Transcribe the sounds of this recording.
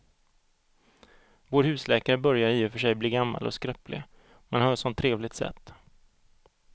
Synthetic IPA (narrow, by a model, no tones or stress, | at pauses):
voːɾhʉ̟ːslɛːkaɾəbœɾjaɾiːɛfœʂɛjbliːɡamːa̰lʔɔ̰skɾœplɪ̰ | manhɑːɾsɔnt̪ʰːɾeːvlɪɡ̚t̪sɛ̰t̪ː